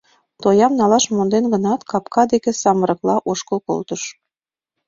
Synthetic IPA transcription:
t̪ojɑmnɑlɑʃmond̪enɡə̆nɑt̪kɑpkɑd̪ekĕsɑməɾɤ̆klɑʔoʃkəlko̰lt̪əʃ

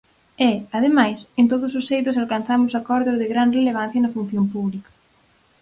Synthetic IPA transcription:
ɛaðemajsent̪oðʊsʊsːejt̪ʊs̬alkan̟θamʊsakɔɾðoðɪɣɾanreleβ̞ãn̟θjɐnɐfun̟θjompuβlikɐ̥

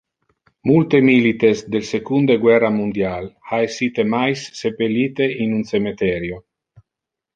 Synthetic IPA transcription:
mult̪emilit̪esd̪elsekund̪eɡwɛramund̪jalaesit̪emajsːepelːiːt̪einunsemet̪ɛɾjo

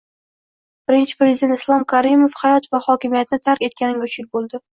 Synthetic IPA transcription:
b̥ɪɾɪnt͡ʃʰɪ̥pɾe̞zɪd̪e̞nt̪ɪslˠɒmkʰaɾɪmofhajɒt̪vahɒkʲɪmijat̪ʰɪnɪt̪ʰaɾkʲe̞t̪kʲanɪŋʲaʊt͡ʃʰɪl̚ʲbolˠd̪ɪ

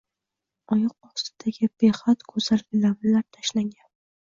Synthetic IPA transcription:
ɒjɒq̚ɒst̪ɪd̪̥aɡʲɪb̥eχat̪kʰɵzalɡʲɪlamɪlaɾt̪ʰaʃlaŋɡʲan

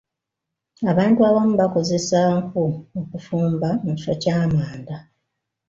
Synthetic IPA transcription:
aβaːntuaβamuβako̞ze̞saŋkuokufuːmbamuci̥ʃacaːmaːnda

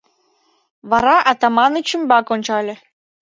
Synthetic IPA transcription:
βɑɾɑʔɑt̪ɑmɑnət͡ɕymbɑkonʲt͡ɕɑlʲĕ

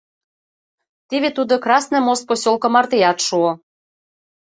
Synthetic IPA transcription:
t̪iβet̪ud̪okrɑsnɤ̆most̪̚posʲolkŏmɑrt̪ejɑt̪ʃuo

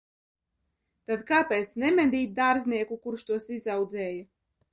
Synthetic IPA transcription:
t̪ad̪kaːpeːt̪snɛmɛd̪ʲiːt̪̚d̪aːɾzniɛkukuɾʃt̪uɔsizawd̪zɛːja

